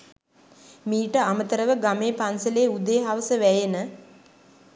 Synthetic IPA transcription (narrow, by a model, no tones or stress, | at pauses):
miːʈəamət̪əɾəʋəɡameːpansəleːud̪eɦaʋəsəʋæjenə